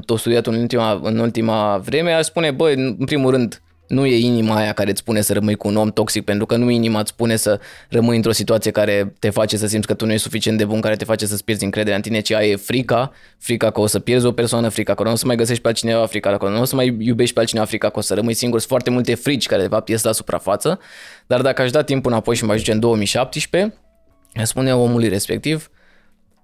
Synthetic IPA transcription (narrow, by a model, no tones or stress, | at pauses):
t̪ost̪uet̪unult̪imaɨ̰nult̪imavɾe̞me̞aʃspune̞bəɨnpɾimulrɨnd̪ | nuje̞inimaːjakaɾe̞ɨt̪sʲpune̞səɾəmɨjkuːno̞mt̪o̞ksik̚pent̪ɾukənuinimat̪sʲpune̞sərəmɨnjɨnt̪ɾo̞sit̪uat̪sije̞kaɾe̞t̪e̞fat͡ʃe̞səsimb̪sʲkət̪unuje̞ʃsu̥fit͡ʃient̪d̪e̞bunkaɾe̞t̪e̞fat͡ʃe̞səsʲpjed̪zʲɨŋkɾed̪eɾaɨnt̪ine̞t͡ʃiajefɾika | fɾikakəosəpje̞rd̪zʲo̞pe̞rsoanəfɾikakoloosəmajɡəs̬eʃt̪pealt͡ʃinevafɾikalakolonosəmajjube̞ʃt̪̚ʲpealt͡ʃinevafɾikakəosəɾəmɨnjsiŋɡuɾsfoart̪e̞mult̪e̞fɾit͡ʃʲkaɾe̞d̪e̞fap̚t̪jes̬t̪lasu̥pɾa̰fat̪səd̪̥ard̪akəaʃd̪at̪ːimpɨnapo̞jʃimaʒut͡ʃeɨnd̪o̞omijʃap̚t̪iʃpe̞ | jaspuneao̞mulujɾe̞spe̞k̚t̪iv